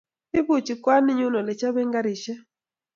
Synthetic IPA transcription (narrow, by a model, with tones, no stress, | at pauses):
i˦βu˨t͡ʃi˨kwa˦ni˦ɲu˦nɔ˨lɛ˨t͡ʃa˦βɛ˦ŋɡa˦ɾi˨ʃɛ˦